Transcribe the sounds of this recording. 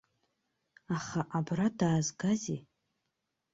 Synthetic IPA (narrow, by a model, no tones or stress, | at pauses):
aχaʔabradaːzɡazi